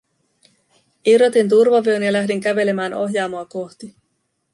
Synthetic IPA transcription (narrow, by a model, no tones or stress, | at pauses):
iro̞t̪int̪̬urʋɑʋio̞njɑlæɦdiŋkæʋe̞le̞mæːno̞̰ɦjɑːmoɑko̞ht̪i